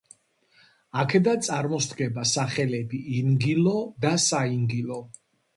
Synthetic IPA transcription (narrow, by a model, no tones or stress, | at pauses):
akʰɛd̪ant̪sʼaɾmɔst̪ɡɛbasaχɛlɛbiːnɡilɔd̪asaiŋɡilɔ